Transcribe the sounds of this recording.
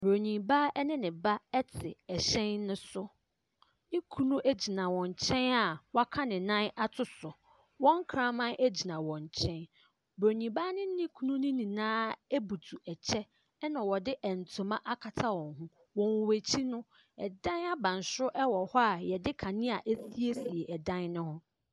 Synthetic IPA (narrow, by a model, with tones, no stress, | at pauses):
bo˨ɲĩ˨ba˦ɛ˦nɪ̃˦nɪ̃˨ba˦ɛ˦tʰɪ˨ɛ˨ɕɛ̃˦nːʊ̃˦sʊ˦ | nɪ̃˦kʰu˦nũ˦ʔæ˦d͡ʑi˨nã˨wɔ̃˨ɲ˨t͡ɕʰɛ̃˦na˨wa˦kʰa˦nɪ̃˨nã˦na˦tʰʊ˦sʊ˨ | wɔ̃˦ŋ˦kʰɾã˦mã˦nʔe˦d͡ʑi˨nã˨wɔ̃˨ɲ˨t͡ɕʰɛ̃˦n | bɾo˨ɲĩ˨ba˦nɪ̃˦nɪ̃˦kʰu˦nũ˦nɪ̃˦nĩ˨nãː˦e˦bu˨tʰu˨ɛ˨t͡ɕʰɛ˦ | nã˨wɔ˨dɪ˦ʔɛ˨n̩˨tʰʊ̃˨mã˦ʔa˦kʰa˨tʰa˦wɔ̃˨ŋɦũ˦ | wɔ̃˨wwæ˨t͡ɕʰi˦nʊ̃˦ | ɛ̰˨dã˦na˦bã˨n˨sʊ˦ʔɛ˦wɔ˨hɔ˦a˨jɛ˨dɪ˦kʰã˨nɪ̃˦a˨ʔe˦si˦e˦si˨e˨ʔɛ˨dã˦nnʊ̃˦hʊ̃˦